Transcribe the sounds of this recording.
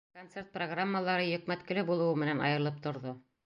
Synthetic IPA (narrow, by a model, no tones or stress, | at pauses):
kont̪sert̪̚proɡramːəlˠɑɾɤjɵ̆kmæt̪kɘ̆lɘbulˠɤ̆wɤmɘ̆nænɑ̰jɤ̆ɾlˠɤp̚t̪ŏɾðo